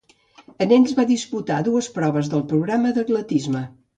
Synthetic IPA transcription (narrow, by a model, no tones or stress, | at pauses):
ənenʲzβaðisput̪aðuəspɾɔβ̞əzðəlˠpɾuɣɾaməðəɣlət̪izmə